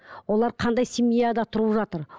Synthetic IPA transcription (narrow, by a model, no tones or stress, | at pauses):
wo̞lˠɑɾqʰɑnd̪ɑjsimijad̪ɑt̪ʰʊɾuʒɑt̪əɾ